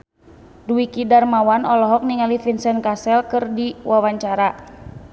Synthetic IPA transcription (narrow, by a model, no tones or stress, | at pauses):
duikidarmawanɔlɔɦɔk̚niŋalifinsɛnkasɛlkɨrdiwawaɲt͡ʃaɾa